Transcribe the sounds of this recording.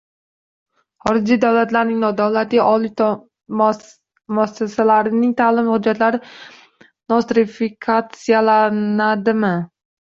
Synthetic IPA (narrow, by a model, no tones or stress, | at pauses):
χɒɾɪd͡ʒijd̪awlat̪laɾnɪŋnɒd̪awlat̪ʰɪaʔɒlit̪ʰ | m | masasalaɾɪnɪŋt̪ʰaːlɪmhʊd͡ʒːat̪laɾɪ | nɒst̪ɾɪfikʰat̪sijalanad̪ɪmɪ